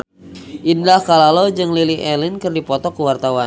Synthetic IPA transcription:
ʔindahkalalowd͡ʒɨŋliliɦʔɛlɪnkərdipɔt̪ɔkəwart̪awan

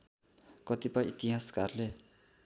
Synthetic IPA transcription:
kʌt̪ipʌjit̪iɦaskarle

